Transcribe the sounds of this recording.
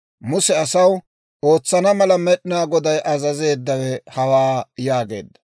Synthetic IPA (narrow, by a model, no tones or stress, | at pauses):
mʊsɛɐsɐw | o̞ːt͡sːɐnɐmɐlɐmɛɗɪnaːɡɔd̪ɐjʔɐzɐze̞ːd̪ːɐwɛhɐwaːjaːɡe̞̰ːd̪ːɐ̥